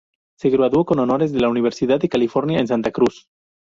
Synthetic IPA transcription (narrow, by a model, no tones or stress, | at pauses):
se̞ɣɾaðwo̞ko̞nono̞ɾe̞zðe̞launiβ̞e̞ɾsiðaðːekalifo̞ɾnjaens̬ant̪akɾus